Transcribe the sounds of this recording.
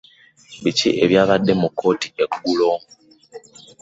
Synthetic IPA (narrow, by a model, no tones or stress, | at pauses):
βicḭʔeβjaːβadːe̞mukʰːo̞ːtiekɡuloː